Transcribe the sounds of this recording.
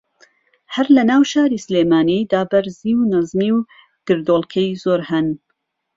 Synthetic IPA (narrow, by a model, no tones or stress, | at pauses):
hɐɾlɐnaːwʃaːɾiːsleːmaːnid̪aːbɐɾziːwnɐzmiːw | d̪̥ɨɾd̪oːlˠkʰɛjzoːɾhɨn